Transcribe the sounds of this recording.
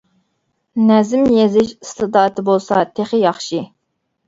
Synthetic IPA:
nɛzɪmjezɪʃst̪ɨd̪ɑːt̪ʰɨbolˠsɑt̪ʰeχɪjɑχʃi

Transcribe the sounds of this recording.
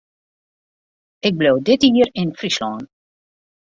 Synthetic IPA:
ɪk̚blowdɪtiːərɪnfrislɔːn

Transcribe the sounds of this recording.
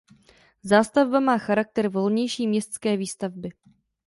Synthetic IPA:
zaːst̪avbamaːxaɾak̚t̪ɛɾvo̞lɲɛjʃiːmɲɛst̪skɛːviːst̪avbɪ

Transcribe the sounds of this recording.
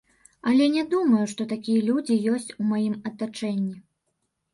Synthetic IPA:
ɐlʲɛnʲɛd̪umɐjuʂt̪ɔt̪akʲijɐlʲud͡zʲijɔsʲt͡sʲumajimɐt̪at͡ʂɛnʲːi

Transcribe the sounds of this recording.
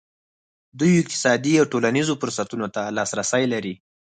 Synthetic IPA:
d̪ujɪk̚t̪ɪ̥sɑd̪iawʈolanizofʊɾsat̪unot̪alɑsɾasəjlaɾi

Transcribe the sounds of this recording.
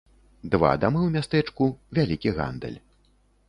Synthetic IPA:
d̪va̰d̪amɨwmʲast̪ɛt͡ʂkuvʲalʲikʲiɣa̰nd̪ɨ̰lʲ

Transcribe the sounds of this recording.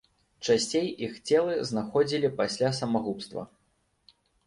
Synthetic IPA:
t͡ʂasʲt͡sʲejixt͡sʲɛlˠɨznaxɔd͡zʲilʲipasʲlʲasɐmaɣupst̪vɐ̰

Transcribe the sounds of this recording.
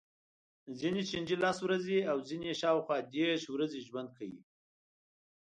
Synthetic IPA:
zinet͡ʃind͡ʒelaswɾazeawzineʃɑwxwɑd̪eɾʃwɾazeʒwand̪̚kʰawḭ

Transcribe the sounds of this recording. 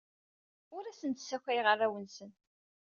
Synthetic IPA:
ʊɾæsənt̪sːækʷːæjʁərˤːæwənsən

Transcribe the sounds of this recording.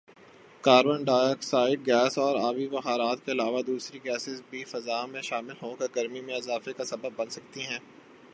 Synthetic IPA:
kaːɾbənɖaːəksaːɪʈ̚ɡɛːsɔːɾaːʋiʋɐxaːɾaːt̪keɪlaːʋad̪uːsɾiɡɛːsɪzbʱifɐzaːmẽʃaːmɪlɦokeɡɐɾmimẽɪzaːfekasɐbəbːɐ̃nsɐk̚t̪iɦɛ̃ː

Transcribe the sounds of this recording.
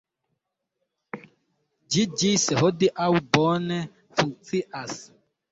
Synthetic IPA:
d͡ʒid͡ʒisɛhodiʔawubɔnɛ | fuŋt͡siʔas

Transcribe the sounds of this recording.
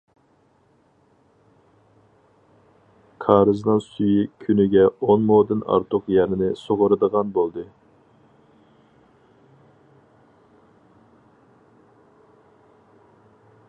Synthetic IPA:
kʰɑːɾɨznɨŋsyjikʲʰynɪɡʲɛonmoːd̪ɨnɑ̰ɾt̪ʰʊqjɛnɪnɪsoʁʊɾɨd̪əʁɑnbolˠd̪ɨ

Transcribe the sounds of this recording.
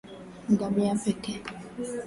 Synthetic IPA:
ŋ̩ɡamiapɛkɛ

